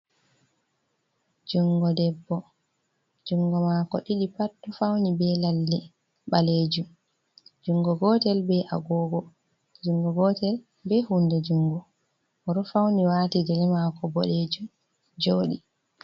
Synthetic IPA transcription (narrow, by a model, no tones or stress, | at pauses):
d͡ʒuŋɡɔdɛbːɔ | d͡ʒuŋɡɔmakɔ̰ɗiɗipatːɔfawnibɛlalːi | ɓaled͡ʒum | d͡ʒuŋɡɔɡɔtɛlbɛʔa̰ɡɔɡɔ | d͡ʒuŋɡɔɡɔtɛl | bɛhundɛd͡ʒuŋɡɔ | ɔɾɔfawniwatiɡɛlɛmakɔbɔ̰led͡ʒum | d͡ʒoːɗi